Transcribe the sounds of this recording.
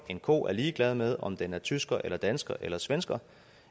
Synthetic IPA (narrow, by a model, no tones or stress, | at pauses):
e̝nkʰo̝̰ːʔæɐliːɡ̥lɛð̞ˠmeð̞ˠɒ̽md̥enæɐt͡sʰysɡ̥ɐʔelɐd̥ænsɡ̥ɐʔelɐsʋensɡ̥ɐ